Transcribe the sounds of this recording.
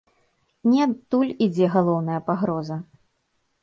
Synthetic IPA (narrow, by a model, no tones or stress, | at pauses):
nʲiat̪ːulʲid͡zʲɛɣalˠɔwnɐjɐpaɣɾɔzɐ